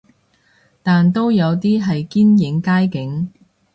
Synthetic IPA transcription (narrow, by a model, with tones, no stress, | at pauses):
t̪aː˨nt̪o˥wjɐ˨˧wt̪iː˥ɦɐ˨jkiː˥njɪ˨˥ŋkaː˥jkɪ˨˥ŋ